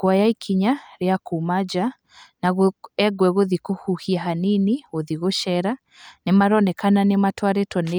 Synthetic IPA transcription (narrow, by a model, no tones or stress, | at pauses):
kwajaikʰiɲaɾeakumad͡ʒa | naɣoɛɡwɛɣoðikohuhiaɦaniniɣoðiɣoʃɛɾa | nemaɾɔnɛkananematwaɾetɔne